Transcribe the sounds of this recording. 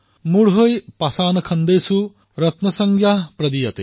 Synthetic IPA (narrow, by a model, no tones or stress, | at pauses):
muɽɦʌjpasaːnɐkʰʌnd̪ejsu | ɾʌt̪nɐsʌŋɡʱjapɾɐd̪ijɐt̪e